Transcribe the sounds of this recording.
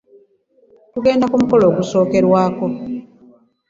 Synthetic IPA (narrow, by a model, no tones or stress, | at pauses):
tuɡe̞ːndakumuko̞lo̞ːɡuso̞ːke̞ɾwaːko̞